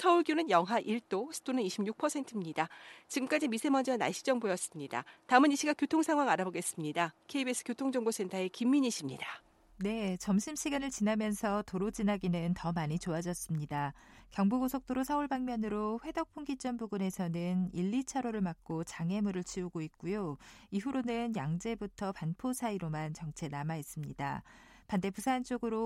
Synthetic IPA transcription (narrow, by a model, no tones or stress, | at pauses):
sʰʌuɭɡjonɯnjʌŋɦaʔiɭt͈osʰɯ̥tʰonɯniɕʰimɲjuk̚pʰʌsʰe̞ntʰɯmɲidat͡ɕiɡɯmk͈ad͡ʑimisʰemʌnd͡ʑiana̰ɕ͈ʰi̥d͡ʑʌŋbojʌs͈ɯmɲida̰taɯmɯniɕʰiɡakjotʰoŋsʰaŋɦwaŋaɾaboɡe̞s͈ɯmɲidakʰe̞ibesʰɯ̥kjotʰoŋd͡ʑʌŋbos͈ʰe̞ntʰaekimːiɲiɕʰimɲida | ne̞t͡ɕʌmɕʰimɕʰiɡanɯɭt͡ɕinamjʌnsʰʌtoɾod͡ʑinaɡinɯntʌmaɲit͡ɕoad͡ʑʌs͈ɯmɲida | kjʌŋbuɡosʰok̚t͈oɾosʰauɭbaŋmjʌnɯɾoɸwe̞dʌk̚pʰoŋɡit͡ɕ͈ʌnbuɡune̞sʰʌnɯniʎːit͡ɕʰaɾoɾɯɭmak̚k͈ot͡ɕaŋe̞muɾɯɭt͡ɕʰiuɡoit̚k͈ujoiɸuɾonɯnjaŋd͡ʑe̞butʰʌpanpʰosʰaiɾomant͡ɕʌŋt͡ɕʰe̞namaɦes͈ɯmɲida | pande̞pusʰaːnt͡ɕ͈oɡɯɾo